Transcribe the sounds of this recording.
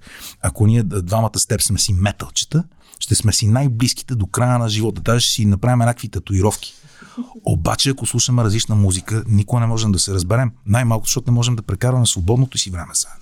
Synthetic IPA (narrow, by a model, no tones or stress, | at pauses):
ɐkoniɛd̪vamət̪əst̪ɛpsmɛsimɛt̪əlˠt͡ʃə̥t̪ə | ʃt̪ɛsmɛsinajbliski̥t̪ɛd̪okɾajənɐʒivɔt̪ət̪azɛʃt̪ɛ̥sinɐpɾavimɛnʲakvit̪ɐt̪oiɾɔfk̟i̥ | o̰ba̰t͡ʃɛɐkoslˠuʃəmɛɾɐzlit͡ʃnəmuzikənikoɡənɛmɔʒɛmd̪ɐsɛɾəzbɛɾɛmnajmalˠkʊt̪zʃt̪ɔt̪ʊnɛmɔʒɛmd̪ɐpɾɛkaɾvɐmɛsvobɔd̪not̪osivɾɛmɛsə̥